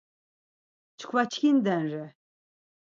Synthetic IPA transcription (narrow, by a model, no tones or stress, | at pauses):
t͡ʃʰkʰvat͡ʃʰkʰind̪ɛnɾɛ